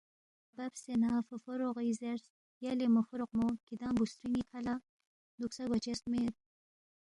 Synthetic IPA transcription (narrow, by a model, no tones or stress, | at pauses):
bapsenafəfoɾoʁizeɾs | jalemofuɾoq̚mokid̪aːmbust̪ɾinikʰala | d̪uksaɡat͡ʃest̪met̪̚